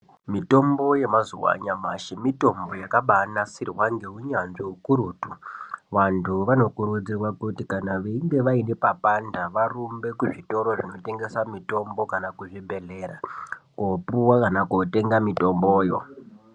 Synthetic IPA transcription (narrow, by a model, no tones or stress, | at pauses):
mito̞mbo̞je̞mazuwa̰ɲamaʃimito̞mbo̞jakaɓanasirwaŋɡeɦuɲanʐiukuɾuːtuʋantʰuʋano̞kuɾud͡zirwakutikanaʋeiŋɡe̞ʋainepapandaʋarumbe̞kuʐito̞ɾo̞ʐino̞te̞ŋɡe̞samito̞mbo̞kanakuʐibʱe̞ɮe̞ɾakopuwakanakote̞ŋɡamito̞mbo̞ːjo